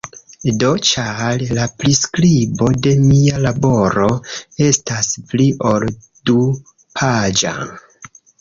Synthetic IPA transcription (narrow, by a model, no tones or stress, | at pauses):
do̞t͡ʃallapɾiskɾibo̞de̞mialabo̞ɾo̞e̞staspliʔo̞l | du | pʰad͡ʒa̰